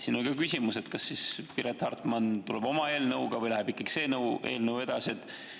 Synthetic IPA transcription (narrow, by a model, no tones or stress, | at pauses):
siːnolʲkɑkysʲimuse̞t̪kɑsːispiɾet̪hɑrt̪ˑmɑnt̪uleb̥o̞mɑe̞ːlnɤwɡ̥ɑvɤjlæɦebikːˑɑɡ̥i̥se̞ːnɤwe̞ːlnɤwe̞d̪̥ɑsiet̪ːˑ